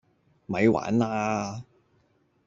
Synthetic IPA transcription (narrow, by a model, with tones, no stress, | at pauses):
mɐ˨˧jwa̰ː˨˥nlaː˥